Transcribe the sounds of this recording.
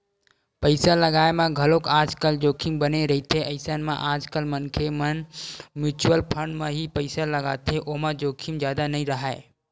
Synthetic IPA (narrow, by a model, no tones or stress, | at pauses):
pəɪsaləɡaːemãɡʱəlokaːd͡ʒkəld͡ʒoːkʰimbəneɾɐɦit̪ʰeʔɐɪsanmã̰ʔaːd͡ʒkəlmənkʰemənmjuːt͡ʃuwəlpʰə̃ɳɖmãɦipəɪsaləɡa̰ːt̪ʰeʔoɦmãd͡ʒoːkʰimd͡ʒjaːd̪anɐɦĩɾəɦaːḛ